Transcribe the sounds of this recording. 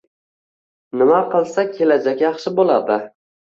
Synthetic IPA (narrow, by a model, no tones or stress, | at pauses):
nɪmaqʰɨlˠsakʲʰelad͡ʒakʲjɑχʃɪbolˠad̪ɪ